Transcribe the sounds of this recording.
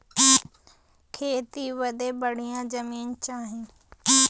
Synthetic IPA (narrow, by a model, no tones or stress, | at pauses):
kʰeːt̪iʋɐd̪ebɐɽ̤ijãd͡ʑɐmiːnt͡ɕaːɦĩː